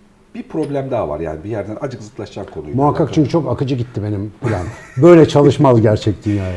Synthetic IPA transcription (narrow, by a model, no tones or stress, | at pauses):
b̥ipʰɾo̞blʲæmd̪ava̰ɾja̰ːnibijæɾd̪ænad͡ʒɯkzɯk̪lˠaʃt͡ʃamkʰo̞nujmuɦakʰːak̚t͡ʃʰyɲʲcʰy̥t͡ʃʰo̞kakɯd͡ʒɯɟit̪ʰːibe̞nimfilʲænbø̞jlʲɛt͡ʃʰalˠɯʃmalˠɟæɾt͡ʃʰɛc̚t̪ʰinjaː